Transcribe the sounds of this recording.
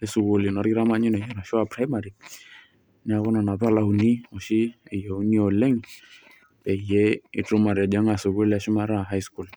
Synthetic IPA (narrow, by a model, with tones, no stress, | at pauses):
ɛ˦su˨ku˦li˨nɔ˨ɾɡi˦ɾa˦ma˦ɲi˦nɛ˨jɛ˨na˨ʃʊ˦a˨pɾa˦jma˨ɾi˨ | nɛ˦a˨kɔ˦na˨na˨pa˦la˨u˨ni˦ɔ˨ʃi˦e˨je˨u˦ni˦ɔ˨lɛ˦ŋ | pɛ˨jɛ˦ḭ˨tʊ˦ma˨ɾa˨d͡ʒa˦ŋa˨su˨ku˦la˦ʃi˦ma˦ɾa˦˨ɦa˦jsku˦˨l